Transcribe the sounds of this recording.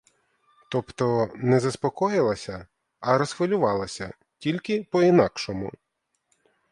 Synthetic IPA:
t̪ɔpt̪ɔnɛzɐspɔkɔjɪlˠɐsʲɐ | ɐɾɔsxʋɪlʲʊʋɑlˠɐsʲɐ | tʲilʲkɪpɔinɑkʃɔmʊ̰

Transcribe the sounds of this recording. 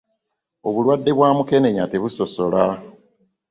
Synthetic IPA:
o̞βulwadːe̞βwaːmuke̞ne̞ɲateβuso̞so̞la

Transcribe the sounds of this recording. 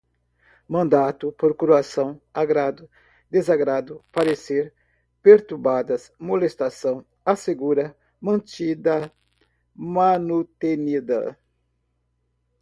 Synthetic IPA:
mɐ̃nd̪at̪ʊpoɾkuɾuasɐ̃w̃aɡɾad̪ʊ | d̪ezaɡɾad̪ʊpaɾeseɾ | peɾt̪uɾbad̪ɐsmolest̪asɐ̃w̃ | aseɡuɾɐ | mɐ̃nt͡ʃid̪ɐ | manut̪enid̪ɐ̰

